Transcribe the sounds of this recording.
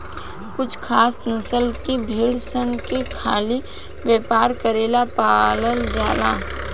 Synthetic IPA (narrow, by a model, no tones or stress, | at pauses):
kʊt͡ʃʰkʰaːsnɐsəlkibʱiːɽsənkekʰaːli | ʋjeːpaːɾkəɾeːlapaːləld͡ʒaːla̰ː